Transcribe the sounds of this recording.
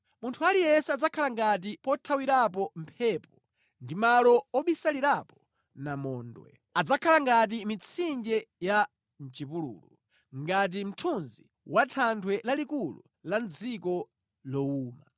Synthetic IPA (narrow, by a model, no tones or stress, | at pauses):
muntʰualijɛsɛad͡zakʰalaŋɡat̬ipɔtʰawiɾapɔm̩pʰɛpɔ | ndimalɔɔɓisaliɾapɔ̥ | namɔːndwɛ̰ | ad͡zakʰalaŋɡat̬imit͡sʰind͡ʒɛja | n̩t͡ʃipulṵːlu | ŋɡat̬im̩tʰunzi | watʰantʰwɛlalikulṵ | land͡zikɔ | lɔuːma